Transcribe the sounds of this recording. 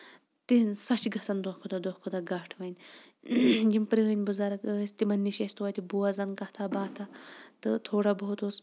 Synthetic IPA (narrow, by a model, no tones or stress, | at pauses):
t̪insɐt͡ʃɡɐsɐnd̪ohkʰud̪ɐd̪oːhkʰud̪ɐɡɐʈʰʋɐnʲ | d͡ʒimpɾiɦənʲbuzaɾɐkːst̪imɐnʲːiʃest̪wɐːjt̪ibuwɐzɐnkɐht̪ʰabaːt̪ʰat̪ɨt̪ʰoːɽabɐɦut̪us